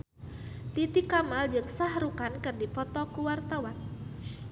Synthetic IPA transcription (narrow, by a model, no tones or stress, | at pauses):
t̪it̪ikamald͡ʒɨŋsahɾukankɨrdipɔt̪ɔkuwart̪awan